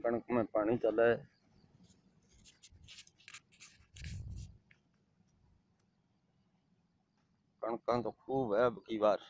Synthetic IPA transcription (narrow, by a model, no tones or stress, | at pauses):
kəɳkmẽːpaːɳiːt͡ʃəleː | kəɳkãːt̪oːkʰuːbɦeːbkiːʋaːɾ